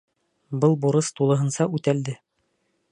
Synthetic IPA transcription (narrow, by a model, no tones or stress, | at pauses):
bɤlˠbuɾɤst̪ulˠɤ̆ɦɤ̆nsɑʉt̪æld̪ɘ